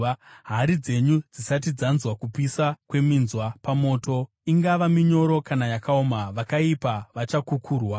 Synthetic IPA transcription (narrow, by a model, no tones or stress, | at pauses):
ɦaɾid͡ze̞ɲud͡zisat̬id͡zanzwakupisakwe̞minzwapamo̞ːto̞ | iŋɡaʋamiɲo̞ɾo̞kanajakaomaʋakaipaʋat͡ʃakukʰuːrwa